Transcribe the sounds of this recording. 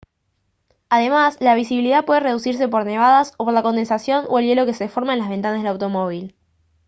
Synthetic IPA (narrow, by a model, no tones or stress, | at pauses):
aðe̞maslaβisiβiliðapwe̞ð̞ere̞ðusiɾs̬e̞po̞ɾne̞β̞aðaso̞po̞ɾlako̞nd̪e̞nsasjo̞no̰e̞lje̞lo̞keseðefo̞ɾmaenlazβe̞nt̪anazðelawt̪o̞mo̞β̞il